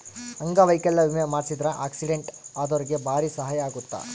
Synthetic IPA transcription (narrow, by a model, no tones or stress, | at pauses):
ɐŋɡaʋɐjkɛlːɐʋimjɐmaːɾsid̪ɾɐʔa̰ːksiɖeɳʈaːd̪oɾiɡe̞bʱaːɾisɐɦaːjɐːɡut̪ːa̰